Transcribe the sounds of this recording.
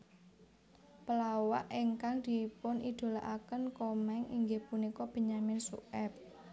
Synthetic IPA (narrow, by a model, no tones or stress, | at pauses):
pəlawaʔɪŋkaŋd̪̥ipʊnʔid̪̥o̤laʔakənkɔmɛŋiŋɡehpunikɔb̥ə̤ɲamɪnsṵʔɛp̚